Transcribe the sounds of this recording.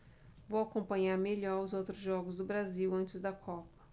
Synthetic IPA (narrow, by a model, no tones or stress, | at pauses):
vowakõmpɐ̃ɲaɾmeʎɔɾʊzowt̪ɾʊzʒɔɡʊzd̪ʊbɾaziwɐ̃nt͡ʃɪzd̪ɐkʰɔpɐ̥